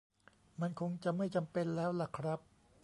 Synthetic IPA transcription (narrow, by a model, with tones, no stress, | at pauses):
ma˧nkʰo˧ŋt͡ɕa˨˩ʔma˥˩jt͡ɕa˧mpe˧nlɛː˦˥wla˨˩kʰɾa˦˥p̚